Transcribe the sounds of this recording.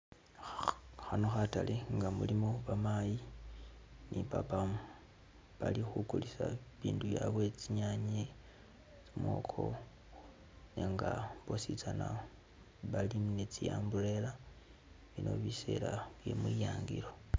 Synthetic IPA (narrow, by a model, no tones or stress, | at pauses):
xano̞xataleŋɡamulimoβamaji | nʔipapa | βalixukulisaβiːnduβjaβwe̞t͡siɲaɲe | t͡simwo̞̰kʰo̞̰ | neŋɡaβosit͡sana | βalimnet͡sijaːmbuɾe̞la | βino̞̰βise̞̰laβje̞mwijaːŋɡiɾo̞